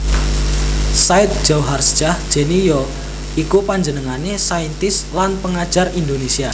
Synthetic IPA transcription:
saɪt̪̚d̥ʒ̥awɦarsd͡ʒ̥ahd̥ʒ̥e̤nijɔ | ikupaɲd͡ʒənəŋanesaint̪ɪslanpəŋḁʒ̥a̤rind̪onesia

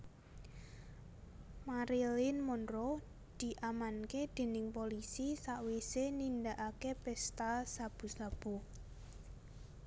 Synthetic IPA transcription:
maɾilɪnmonɾo | d̪̥i̤ʔamanked̪̥e̤nɪŋpolisisaʔwisenind̪aʔakepɛst̪asab̥ṳsab̥o̤

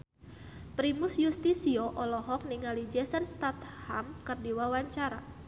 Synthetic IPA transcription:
pɾimʊsjust̪isioʔɔlɔɦɔk̚niŋalid͡ʒɛsanst̪at̪hamkərdiwawaɲt͡ʃaɾa

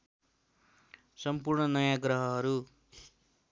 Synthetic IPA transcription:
sʌmpurɳʌnʌjãɡrʌɦʌɦʌɾu

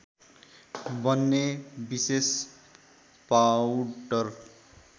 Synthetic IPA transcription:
bʌnːebises | pawʈʌr

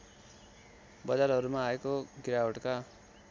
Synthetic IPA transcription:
bʌd͡zarɦʌɾumaːekoɡiɾaoʈka

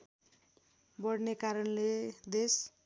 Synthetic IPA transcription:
bʌɽnekaɾʌnled̪es

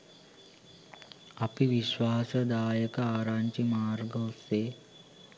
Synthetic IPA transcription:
ɐpiʋiʃʋaːsɐd̪aːjəkəaːɾaːɲt͡ʃimaːɾɡəseː

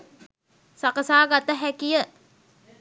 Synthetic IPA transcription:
sakəsaːɡat̪əɦækijə

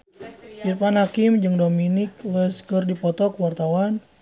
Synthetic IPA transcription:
irpanhakɪmd͡ʒɨŋdominɪkwɛskərdipɔt̪ɔkəwart̪awan

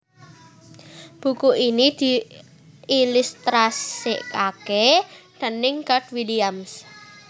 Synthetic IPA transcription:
b̥ṳkuʔinid̪̥i̤ | ilust̪ɾasɪʔkakɛɖ̥ənɪŋkaʈ̚wiliams

